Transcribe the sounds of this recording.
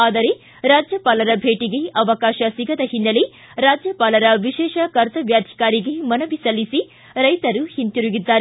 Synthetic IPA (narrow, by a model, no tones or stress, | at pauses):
aːd̪ɐɾe | ɾaːd͡ʒjɐpaːlɐɾɐbʱeːʈiɡe̞ʔɐʋɐkaːʃɐsiɡɐd̪ɐɦinːɐle | ɾaːd͡ʒjɐpaːlɐɾɐʋiʃɛːʃɐkɐɾt̪ɐʋjaːd̪ʱi̥kaːɾiɡemɐnɐʋisɐlːisi | ɾɐjt̪ɐɾuhint̪iɾuɡid̪ːaːɾe